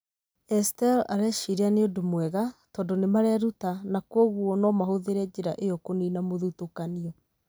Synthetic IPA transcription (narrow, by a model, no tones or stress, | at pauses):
ɛstɛlaɾɛʃiɾeaneodomwɛɣatɔndonemaɾeaɾutanakɔɣuɔnɔmaɦoðeɾɛd͡ʒeɾaʔejɔkoniːnamoðutokaniɔ